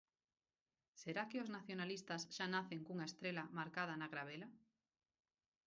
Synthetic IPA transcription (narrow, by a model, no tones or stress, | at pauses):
seɾakeoznaθjonalist̪azʃanaθeŋkuŋaest̪ɾelamaɾkað̞anaɣɾaβ̞ela